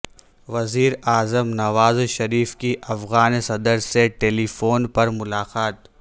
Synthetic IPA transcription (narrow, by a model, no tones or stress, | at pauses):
ʋɐziːɾaːzəmnɐʋaːzʃɐɾiːfkiʔɐfɣaːnsɐd̪əɾseʈeːlifoːnpɐɾmʊlaːqaːt̪